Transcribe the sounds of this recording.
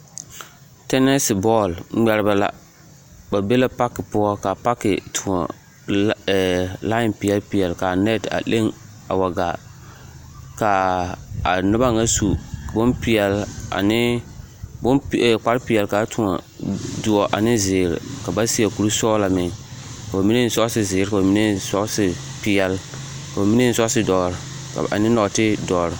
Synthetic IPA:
tɛ˦nɛ˦sɪ˨bɔ˦˨lŋ͡m̩˦ŋ͡mɛ˨ɾɪ˦ba˨la̰˦ | ba˨be˦la˦pa˦kɪ˨pʊ˦ɔ˦ka˨pa˦kɪ˨tʰʊ˨ŋɔ̰˨ | la˦ɪ˨npɪ˨ɛ˨lpɪ˨ɛ˨lka˨nɛ˦˨ta̰˨le˦ŋ | a̰˨wa˨ɡa˨ | ka˨a˨nʊ˦ba˦ŋa˦su˨bʊ˦npɪ˦ɛ˨la̰˨nɪ˦ | bʊ˦nɛ˨k͡pa˦ɾɪ˦pɪ˨ɛ˨lka˨˦tʰʊ˦ŋa̰˨ | dʊ˨ɔ˨ʔa̰˨nɪ˦zɪː˨ɾɪ̰˨ka˨ba˦si˦a˨ku˨ɾu˦sɔː˦la˨mɪ˨ŋka˨ba˨mi˦ne˦˨˦sɔ˦sɪ˦zɪː˨ɾɪ˦ka˨ba˨mi˦ne˦sɔ˦sɪ˨ | pɪ˦ɛ˦l | ka˨ba˨mi˦ne˦sɔ˦sɪ˦dɔː˨ɾɪ˨ | a̰˨a̰˨nɪ˦nɔ˨tɪ˦dɔː˨ɾɪ˨

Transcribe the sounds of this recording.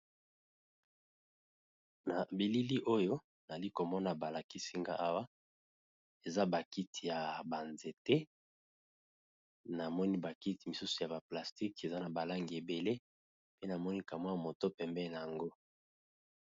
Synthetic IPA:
na˨bi˨li˦li˦ʔo˦jo˦ | na˨li˦ko˨mɔ˦na˨ba˨la˨ki˦si˦ŋɡa̰˦ʔa˦wa˦ | e˨za˦ba˨ki˦tʰi˨ja˨ba˨nze˨te˦ | na˨mɔ˦ni˦ba˨ki˦ti˨mi˨su˦su˨ja˨ba˨pla˨sti˦ke˨za˦na˨ba˨la˦ŋɡi˨e˨be˨le˦ | pe˦na˨mɔ˦ni˦ka˨mwa˦ja˨mo˨to˦pɛ˨mbɛ˦˨na˨ja˨ŋɡo˦

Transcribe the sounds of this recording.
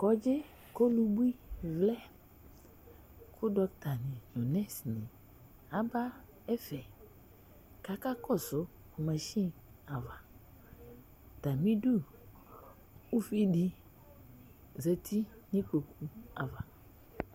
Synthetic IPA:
kɔ˨d͡ʒe˦ | ko˦lu˦bu˦i˦vlɛ˦ | kʰʊ˦dɔ˦kt̪a˨nĩ˨nõ˨nɛ̃˦snẽ˨ | a˦ba˦ | e˦fɛ˨ | ka˨ka˦kɔ˦˨sʊ˦ | ko˨mɛ̃˨ʃi˦ | a˨va˨ | t̪a˨mĩ˦du˦ | u˦fi˦ɖi˦ | ze˨t̪ʰi˦ɲĩ˦ko˨ku˦a˨va˨

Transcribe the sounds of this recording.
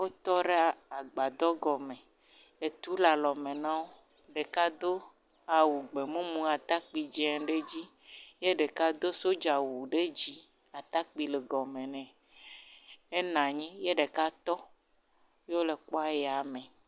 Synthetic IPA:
wo˦t̪ɔ˦ɖe˦a˨a˨ɡ͡ba˨d̪ɔ˦ɡɔ˨mɛ̃˨ | e˨t̪u˦la˨lɔ˨mẽ˨nã˦wo˦ | ɖe˨ka˦d̪o˦ | a˨wu˨ɡ͡be˨mũ˦mũ˦a˨t̪a˦k͡pi˨d͡ʒɛ˨ɖe˦d͡ʑi˦ | je˦ɖe˨ka˦d̪o˦so˦d͡ʒa˨wu˨ɖe˦d͡ʑi˦ | a˨t̪a˦k͡pi˨le˨ɡɔ˨mẽ˨nɛ̃˨ | e˦nã˨ɲĩ˦je˦ɖe˨ka˦t̪ɔ˦ | jo˦le˨k͡po˦a˦jɛ˨a˨mɛ̃˨

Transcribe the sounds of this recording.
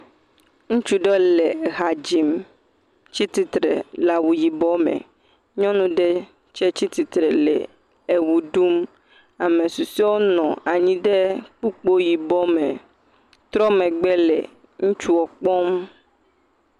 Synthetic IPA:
ŋũ˦t͡ʃu˦ɖe˦le˨ɣa˨d͡ʒi˨m | t͡ɕi˦t̪i˦t̪ɾḛ˨la˨wu˨ji˨bɔ˦mḛ̃˨ | ɲɔ̃˦nũ˦ɖɛ˦ | t͡ʃɛ˦t͡ɕi˦t̪i˨t̪ɾɛ˨lɛ̰˨ | e˨wu˨ɖu˦m | a˨mẽ˨su˨si˦wo˦nɔ̃˨a˨ɲĩ˦ɖe˦k͡pu˦k͡po˦ji˨bɔ˦mḛ̃˨ | t̪ɾɔ˦mẽ˨ɡ͡bɛ˦lɛ̰˨ | ŋũ˦t͡ʃu˦ɔ˨k͡pɔ˦m

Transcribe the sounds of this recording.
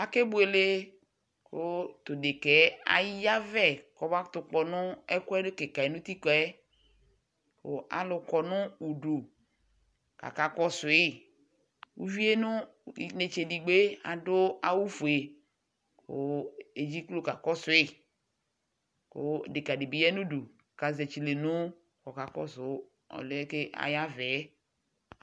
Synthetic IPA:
a˨ke˦bʊ˨˦e˨le˦ | kʊ˦t̪ʊ˨de˨kɛ˨˦a̰˨jja˦vɛ˦kɔ˨ba˦t̪ʊ˨k͡pɔ˨nʊ̃˦ɛ˦kɛ˦dʊ˦ke˨ka˨e˨nʊ̃˦t̪i˦kɔ˨˦ɛ˦ | kʊ̰˦ʔa̰˨lʊ˨kɔ˨nʊ̃˦u˨ɖu˨ | ka̰˨ka˨kɔ˦sʊ˨ɪ˦ | wṵ˦vi˦e˦nʊ̃˦˨ | ne˨t͡ʃe˨di˨ɡ͡be˦a̰˨dʊ˦a˦wu˦fu˨e˨ | ko̰˦e˨d͡ʒi˦klo˦ka˨kɔ˦sʊ˨˦ɪ˦ | ko˦˨de˨ka˨de˨bi˨jɛ˦nũ˦du˨ | ka˨ze˨t͡ʃi˨le˨nʊ̃˦ | kɔ˨ka˨kɔ̰˦sʊ˨˦ | ɔ̰˨le˦e˦ke˦ʔa̰˨ja˦vɛ˨˦

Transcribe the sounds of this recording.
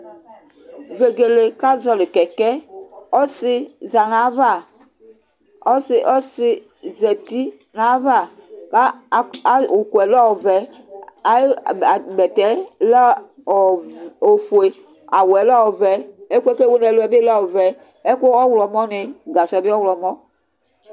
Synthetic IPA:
ve˨ɡe˨le˨ka˦zɔ˨le˨kɛ˨kɛ˦ɔ˦sɪ˦za˨na˨˦va˦˨ | ɔ˦sʔɔ˦sɪ˦ | zɛ˨t̪i˦ | nã˨˦va˦˨ka˦˨˦ | o˨kwɛ˨lɔ˦o˨vɛ˨ | a˨˦˨ɡ͡bɛ˨t̪ɛ˨˦l | o˨fo˨e˨ | a˨wɛ˨˦lɔ˦o˨vɛ˨e˦ke˦ke˦wo˦nɛ˨lo˦ɛ˨˦be˦la˦wo˨vɛ˨ | e˦ko˦ɔ˦wlɔ˨mɔ˦ne˨ɡa˨sɔ˨bi˦ɔ˦wlɔ˨mɔ˦

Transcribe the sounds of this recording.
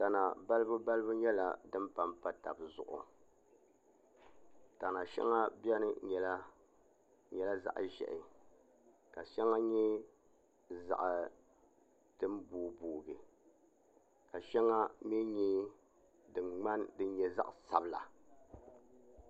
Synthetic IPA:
ta˨na˨ba˦lɨ˦bu˦ba˦lɨ˦bu˦ɲɛ˦la˨dɨ˦mpa˦mpa˦ta˨bzʊ̰˨ʔʊ̰˨ | ta˨na˨ʃɛ̰˦ŋa˦bɛ˦nɨ˦ɲɛ˨la˦ | ɲɛ˨la˦za̰˦ʔʒɛ̰˨ʔɪ˨ | ka˨ʃɛ˦ŋa˦ɲɛ˦ | za̰˨ʔa˨ | tɨ˦m˦buː˨˦buː˨ɡɨ˨ | ka˨ʃɛ˦ŋa˦mi˦ɲɛ˦ | dɨ˨ŋ͡ma˦ndɨ˦n˦ɲɛ˦za̰˦ʔsa˨bla̰˨

